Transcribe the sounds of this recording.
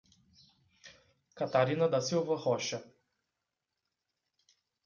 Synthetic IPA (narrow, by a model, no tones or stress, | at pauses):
kat̪aɾinad̪asilvɐxɔʃa